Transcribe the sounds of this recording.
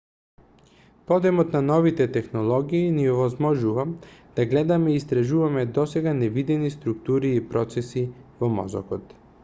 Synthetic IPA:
pɔd̪ɛmɔt̪nanɔvit̪ɛt̪ɛxnɔlˠɔɡiːniɔvɔzmɔʒuvamd̪̥aɡlɛd̪amɛiːst̪ɾaʒuvamɛd̪ɔsɛɡanɛvid̪ɛnist̪ɾukt̪uɾiːpɾɔt̪sɛsivɔmɔ̰zɔ̰kɔt̪

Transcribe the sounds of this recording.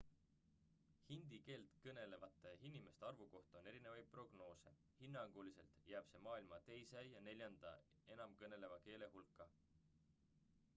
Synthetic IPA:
hind̪̥ike̞ːlt̪kɤne̞le̞vɑt̪ːˑehinime̞st̪eɑrvuko̞ht̪ɑone̞ɾine̞vɑj̪̚pro̞ɡ̥no̞ːse̞ | hinːɑŋɡ̥ulise̞̰lt̪ˑjæːb̥se̞mɑːilmɑt̪e̞jsæjɑne̞lʲjɑnd̪̥ɑ̰ | e̞nɑmkɤne̞le̞vɑke̞ːle̞ɦulkːɑ

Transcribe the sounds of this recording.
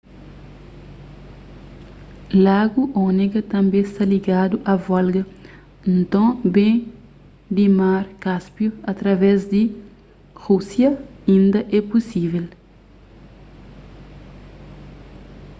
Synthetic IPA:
laɡuʔɔneɡɐt̪ɐ̃mbẽst̪ɐliɡad̪uʔɐvalɡɐ | nt̪õbẽ | d̪imaɾkaspjuɐt̪ɾɐvɛzd̪i | ʁusjɐĩnd̪ɐʔɛpusivel

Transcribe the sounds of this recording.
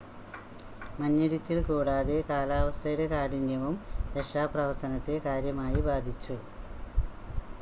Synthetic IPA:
mɐnːɐɽit̪ːilkuːɽaːðekaːlaːʋɐst̪ʰɐjuɽe̞kaːɽinjɐʋumɾeʂaːprɐʋɐrt̪ʰɐnɐt̪ːe̞kaːɾjɐmaːjibaːd̪ʱit͡ɕːu

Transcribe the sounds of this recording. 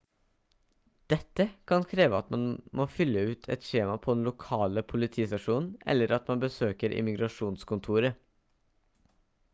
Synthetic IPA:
d̪̥ɛt̪ːəkʰɑnkʰɾeːʋəɑt̪mɑnmoːfʏlːəʉːt̪ʰɛ̰t̪ʂeːmɑpʰɔd̪ɛnlʊkʰɑːləpʰʊlɪt̪ʰiːst̪ɑʂuːnn̩ɛ̰lːəɾʔɑt̪mɑnbəsøːkəɾʔɪ̰mɪɡɾɑʂuːnskʊnt̪ʰuːɾə

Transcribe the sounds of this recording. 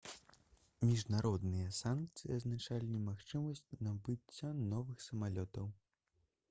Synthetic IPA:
mʲiʐnaɾɔd̪nɨjɐsank̚t̪sɨjiɐznat͡ʂalʲinʲɛmaxt͡ʂɨmɐsʲt͡sʲnɐbɨt͡sʲːanɔvɨxsɐmalʲɔt̪ɐw

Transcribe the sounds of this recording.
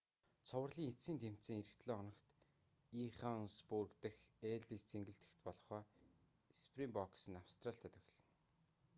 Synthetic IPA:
t͡sʰʊwə̆rɮiːŋet͡siːnt̪ʰem̥tt͡sĭːŋeɾɘ̆kt̪ɮoːɔnɞ̆kt̪ | iχaŋspurkt̪ɘ̆xeːɮist͡seŋɡɘ̆ɬt̪ɘ̥̆xt̪pɔɮɞ̆χœː | spʰrimpɔksə̆nawst̪raːɬt̪ʰæt̪ɵxɮə̆n

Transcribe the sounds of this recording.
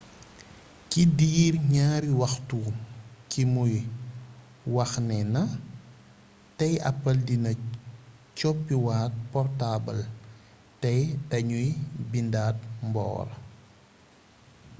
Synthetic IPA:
kidiːɾɲaːɾiwɐxtukimuj | wɐxnɛnɐ | tɐjɐ̰pːɐldinɐ | cɔpːiwaːt̚pɔrtabɐl | tɐjtɐɲujbindaːt̚mbɔ̰ːɾ

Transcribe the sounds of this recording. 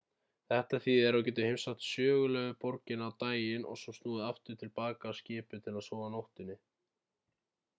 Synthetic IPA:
θɛht̪aθiðɛɾawc̬ɛːt̪ʏhɪmsaht̪sjœːɣʏlɛːɣʏpɔɾcɪnawt̪aːjɪnʔɔ̰ɣsɔmst̪nuːðɪaft̪ʏɾ̥t̪ʰɪlpaːkaːðscɪːpʏt̪ʰɪlaðsɔːvanowht̪ɪnːɪ

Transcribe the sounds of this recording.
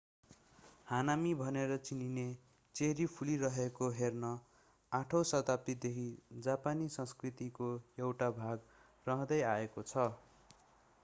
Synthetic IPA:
hanamibʱʌneɾʌt͡sinine | t͡seɦɾipʰuliɾʌɦekoɦernʌ | aʈʰowsʌt̪ap̚t̪id̪ekʰid͡zapanisʌ̃nskrit̪ikoewʈabʱaɡ | rʌɦʌ̃d̪ʌjaekot͡sʰʌ

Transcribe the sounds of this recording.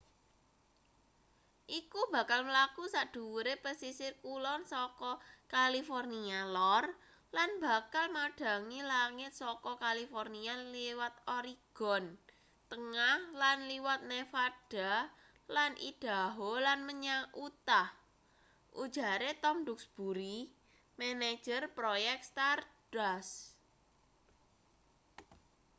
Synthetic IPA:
ʔikub̥a̤kalməlakusaʔd̪̥ṳwuɾepəsisɪrkulɔnsɔkɔkalifɔrnialɔr | lanb̥a̤kalmaɖ̥a̤ŋilaŋɪt̪̚sɔkɔkalifɔrnialiwat̪̚ɔɾiɡ̥ɔ̤n | t̪əŋahlanliwat̪̚nefaɖ̥a̤ | lanʔḭd̥a̤ɦolanməɲaʔut̪ah | ʔṵd̥ʒ̥a̤ɾet̪ɔmɖʊksb̥uɾi | mɛned̥ʒ̥ərpɾojɛk̚t̪st̪ard̥as

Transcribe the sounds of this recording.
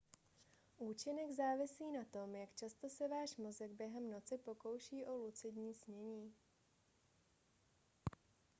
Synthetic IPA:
ʔuːt͡ʃɪnɛɡzaːvɪsiːnat̪o̞mjakt͡ʃast̪o̞sɛvaːʃmo̞zɛɡ̚bjɛɦɛmno̞t͡sɪpo̞ko̞wʃiːʔo̞lut͡sɪdɲiːsɲɛɲiː

